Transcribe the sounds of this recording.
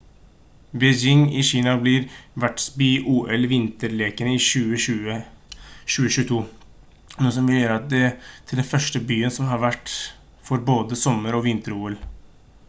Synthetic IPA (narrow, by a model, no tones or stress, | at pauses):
bɛd͡ʒɪŋɪɕiːnɑblɪɾʋæʈsbyːʔuːʔɛlʋɪnt̪əɾleːkənəɪʃʉːəʉ | ʃʉːəʃʉːət̪ʰuː | nuːəs̬ɔmʋɪləjøːɾəɑt̪̚d̪ɛt̪ʰːɪld̪ɛnfœʂʈəbyːənsɔmɦɑɾʋæʈː | fɔɾboːd̪əsɔmːəɾɔʋɪnt̪əɾuːɛl